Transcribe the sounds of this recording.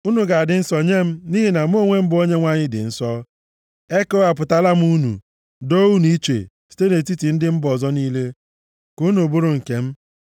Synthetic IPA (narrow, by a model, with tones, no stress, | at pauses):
u˦nu˨ɡa˨a˨dɪ˨n̩˦sɔ˨ɲe˦m̩˦ni˦ɦi˦na˨m̩˦o˦˨ŋʷe˦m̩˦bʊ˨o˦ɲe˦ŋʷa˦ɲɪ˦dɪ̰˨n̩˦sɔ˦ | e˦ko˦a˨pʊ˨ta˦la˦m̩˦u˦nṵ˨ | do˦u˦n˨i˦t͡ʃḛ˨ | si̥˦te˦ne˨t̬i˦ti˨n̩˦dɪ˦m̩˦bɔ˨zɔ˦niː˦le˦ | ku˦nu˨bu˦ɾʊ˨ŋ̩˨ke˨m̩˦